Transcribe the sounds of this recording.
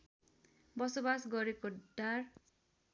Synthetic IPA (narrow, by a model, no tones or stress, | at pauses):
bʌsobasɡʌɾekoɖar